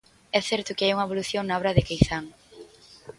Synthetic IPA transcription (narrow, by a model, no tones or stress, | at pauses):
ɛθɛɾt̪ʊkɪajuŋɐeβoluθjoŋnaɔβɾɐðɪkejθaŋ